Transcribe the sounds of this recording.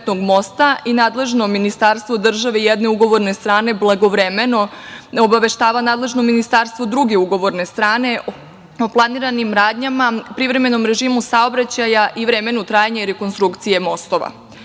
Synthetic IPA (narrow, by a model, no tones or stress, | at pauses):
t̪noɡmo̞st̪ainaːd̪le̞ʒno̞minist̪aɾst̪ʋo̞d̪r̩ʒaʋeijed̪ne̞uɡo̞ʋo̞ɾne̞st̪ɾaːne̞blˠaɡo̞ʋɾeme̞no̞obaʋe̞ʃt̪aːʋanaːd̪le̞ʒno̞minist̪aɾst̪ʋo̞d̪ɾuɡe̞uɡo̞ʋo̞ɾne̞st̪ɾaːne̞ | oplˠaniɾanimɾaːd̪ɲamapɾiʋɾe̞me̞no̞mɾe̞ʒiːmusaobɾat͡ɕajaʔiʋɾe̞me̞nut̪ɾaːjaɲaiɾe̞ko̞nst̪ɾukt̪sije̞mo̞st̪o̞ʋa̰